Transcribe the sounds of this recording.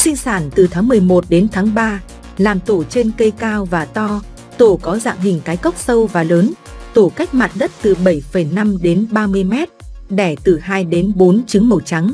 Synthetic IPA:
sï˧ŋ̟saː˧˩nt̪ɨ˨˩t̪ʰaː˨˦ŋmɨ˨˩əjmo˨˩t̚ɗe˨˦nt̪ʰaː˨˦ŋɓaː˧ | laː˨˩mt̪o˧˩t͡ɕe˧nkə˧jkaː˧wvaː˨˩t̪ɔ˧ | t̪o˧˩kɔ˨˦za̰ː˧˨ŋɦï˨˩ŋ̟kaː˨˦jkə˦˥wk͡p̚sə˧wvaː˨˩ləː˨˦n | t̪o˧˩ka˦˥jk̟̚ma̰ː˨nɗə˦˥t̚t̪ɨ˨˩ɓə˧˩jfə˨˩jna˧mɗe˨˦nɓaː˧mɨ˧əjmɛ˦˥t̚ɗɛ˧˩t̪ɨ˨˩haː˧jɗe˨˦nɓo˨˦nt͡ɕɨ˨˦ŋmə˨˩t͡ɕa˨˦ŋ

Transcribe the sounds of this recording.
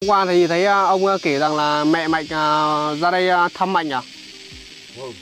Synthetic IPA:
kʷwaː˧t̪ʰə˨˦ji˨˩t̪ʰə˨˦jaː˧ə˧wŋ͡ma˧ke˨˩za˨˩ŋlaː˨˩mɛ˧˨ma˨jk̚a˨˩za˧ɗə˧ja˧t̪ʰa˧˥mːa˨k̚a˨˩

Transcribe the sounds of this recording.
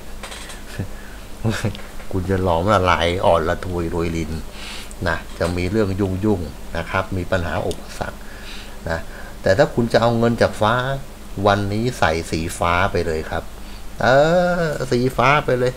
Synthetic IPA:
ma˥˩jkʰu˧nt͡ɕa˨˩lɔː˨˩˦mla˧˩laː˧˩˦jʔɔː˨˩nla˧t̪ʰu˧jluː˧jli˧nː | a˦˥t͡ɕa˨˩miː˧ɾɯ˥˩əŋju˥˩ŋju˥˩ŋ | na˦˥kʰa˦˥p̚miː˧pa˧nɦa̰ː˩˦ʔo˨˩k̚pːa˧sa̰˨˩k̚ | na˦˥t̪ɛː˨˩t̪ʰaː˥˩kʰu˧nt͡ɕa˨˩ʔa˧wŋɤ˧nt͡ɕaː˨˩k̚faː˦˥ | wa˧nːiː˦˥sa̰˨˩˦jsiː˨˩˦faː˦˥pa˧jlɤː˧jkʰɾa˦˥p̚ | ʔaː˧siː˨˩˦faː˦˥pa˧jlɤː˧j

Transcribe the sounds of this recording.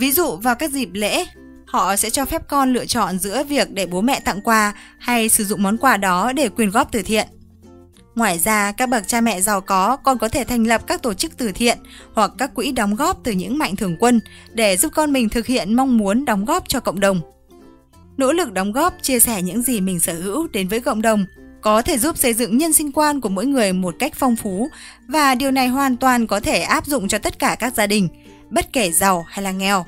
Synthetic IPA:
vi˨˦zṵ˧˨vaː˨˩wkaː˦˥k̚zi˨˩p̚lḛ˧˥ | hɔ̰˧˨sɛ̰˧˥t͡ɕɔ˧fɛ˦˥p̚kɔ˧nlɨ̰˧˨ət͡ɕɔ̰˧˨nzɨ̰˧˥əvi˨˩ək̚ɗe˧˩ɓo˨˦mɛ̰˧˨t̪a̰˧˨ŋkwaː˧ha˧jsɨ˧˩zʊ̰˧˨ŋ͡mmɔ˨˦nkwaː˧ɗɔ˨˦ɗe˧˩kwi˨˩ənɣɔ˦˥p̚t̪ɨ˨˩t̪ʰḭ˧˨ən | ŋwaː˨˩jzaː˧kaː˦˥k̚ɓə˨˩t̚t͡ɕaː˧mɛ̰˧˨za˨˩wkɔ˨˦kɔ˨˩nkɔ˨˦t̪ʰe˧˩t̪ʰa˧jŋ̟lə˨˩p̚kaː˦˥k̚t̪o˧˩t͡ɕɨ˦˥k̚t̪ɨ˨˩t̪ʰḭ˧˨ənhwa˨˩kːaː˦˥kːwḭ˧˥ɗɔ˨˦wŋ͡mɣɔ˦˥p̚t̪ɨ˨˩ɲɨ̰˧˥ŋma̰˧˨jŋ̟t̪ʰɨ˧˩əŋkwə˧n | ɗe˧˩zu˦˥p̚kɔ˧nmï˨˩ŋ̟t̪ʰɨ˨˩k̚hḭ˧˨ənma˧wŋ͡mmu˨˦ənɗɔ˨˦wŋ͡mɣɔ˦˥p̚t͡ɕɔ˧kə̰˧˨wŋ͡mɗə˨˩wŋ͡m | no̰˧˥lɨ˨˩k̚ɗɔ˨˦wŋ͡mɣɔ˦˥p̚t͡ɕi˧əsɛ˧˩ɲɨ̰˧˥ŋzi˨˩mï˨˩ŋ̟səː˧˩hɨ̰˧˥wɗe˨˦nvəː˨˦jkə̰˧˨wŋ͡mɗə˨˩wŋ͡mkɔ˨˦t̪ʰe˧˩zu˦˥p̚sə˧˩jzɨ̰˧˨ŋɲə˧nsï˧ŋ̟kwaː˧nku˧˩əmo̰˧˥jŋɨ˨˩əjmo˨˩t̚ka˦˥jk̟̚fɔ˧wŋ͡mfu˨˦ | vaː˨˩ɗi˨˩əwna˨˩jhwaː˨˩nt̪waː˨˩nkɔ˨˦t̪ʰe˧˩ʔaː˦˥p̚zʊ̰˧˨ŋ͡mt͡ɕɔ˧t̪ə˦˥t̚kaː˧˩kaː˦˥k̚zaː˧ɗï˨˩ŋ̟ | ɓə˦˥t̚ke˧˩za˨˩wha˧jlaː˨˩ŋɛ˨˩w

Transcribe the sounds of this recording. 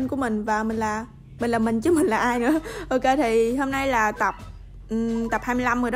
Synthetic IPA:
nku˧˩˦əmï˨˩ŋ̟vaː˨˩mï˨˩ŋ̟laː˨˩ | mï˨˩ŋ̟laː˨˩mï˨˩ŋ̟t͡ɕɨ˧˦mï˨˩ŋ̟laː˨˩ʔaː˧jnɨ̰˧˥˦əʔo˧ke˧t̪ʰi˨˩ɦo˧mna˧jlaː˨˩t̪a˨˩p̚ | ʔt̪a˨˩p̚haː˧mɨ˧jla˧mo˨˩

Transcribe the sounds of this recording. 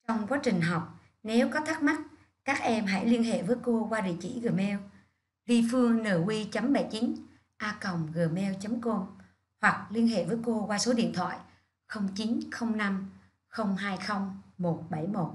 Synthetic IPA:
t͡ɕɔ˧wŋ͡mkwaː˨˦˥t͡ɕï˨˩ŋ̟ɦɔ˨˩wk͡p̚ | ne˨˦wkɔ˨˦t̪ʰa˦˥k̚ma˦˥t̚ | kaː˦˥k̚ʔɛ˧mɦa̰˧˥jli˧ənɦḛ˧˨vəː˨˦jko˧kwaː˧ɗḭ˧˨t͡ɕḭ˧˩ɣɨ˨˩mɛ˧w | vi˧fɨ˧əŋnəː˧˩wi˧t͡ɕə˨˦mɓə˧˩jt͡ɕi˨˦n | ʔaː˧kə˨˩wŋ͡mɣɨ˨˩mɛ˧wt͡ɕə˨˦mko˧n | hwa˨˩k̚li˧ənɦḛ˧˨vəː˨˦jko˧kwaː˧so˨˦ɗḭ˧˨nt̪ʰwa̰ː˧˨j | xə˧wŋ͡mt͡ɕi˨˦nxə˧wŋ͡mna˧m | xə˧wŋ͡mɦaː˧jxə˧wŋ͡mmo˨˩t̚ɓa˧˩jmo˨˩t̚

